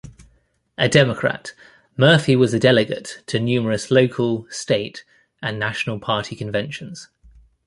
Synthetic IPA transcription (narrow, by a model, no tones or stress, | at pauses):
ʔədɛməkʰɹ̥a̰t | mɜˑfiwɒzədɛlɪɡə̰ttʰənjʉːməɹəsləʊkʰəlˠsteɪt | ə̃nːaʃənəlˠpʰɑˑtʰikʰə̃ɱvɛ̃nʃə̃nz̥